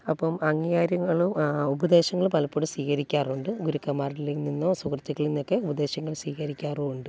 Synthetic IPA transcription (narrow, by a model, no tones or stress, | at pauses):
ɐpːɐmɐŋːijaːɾjɐŋːɐɭumubɐd̪e̞ːɕɐŋːɐɭumpɐlɐpːoɽusʋiːkɐɾikʲːaːruɳɖɨɡuɾukːɐmːaːrlilininːoːsukrɐt͡ɕːukːɐɭinːo̞kːe̞ubɐd̪e̞ːɕɐŋːɐɭsiːkɐɾikʲːaːruuɳɖɨ